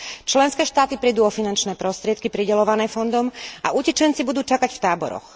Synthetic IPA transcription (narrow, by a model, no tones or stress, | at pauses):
t͡ʃlɛnskɛːʃt̪aːt̪ipɾiːd̪uːɔfinant͡ʃnɛːpɾɔst̪ɾɪɛt̪̚kipɾiɟɛlɔʋanɛːfɔnd̪ɔmʔa̰ʔucɛt͡ʃɛnt͡sibud̪uːt͡ʃakacft̪aːbɔ̰ɾɔ̰x